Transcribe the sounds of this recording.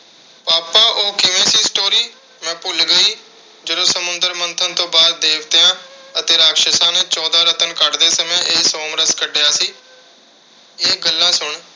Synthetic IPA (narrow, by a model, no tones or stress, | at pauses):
paːpaːʔoːkɪʋẽːsiːsʈoːɾiː | mɛ̃ːpʊlɡəiː | d͡ʒəɾõːsəmʊnd̪əɾmənt̪ʰənt̪õːbaːd̪ːeːkʰt̪eːãːət̪eːɾaːkʃəsãːneːt͡ʃɔːd̪aːɾət̪ənkəɖd̪eːsəmẽːʔeːsoːmɾəskəɖeːaːsiː | eːɡəlːãːsʊɳ